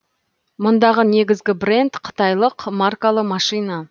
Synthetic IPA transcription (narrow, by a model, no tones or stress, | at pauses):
mʊnd̪ɑʁəne̞ɡʲɪzɡʲɪbre̞nd̪qʰə̥t̪ɑjlˠəqʰmarkalˠəmɑʃijnɑ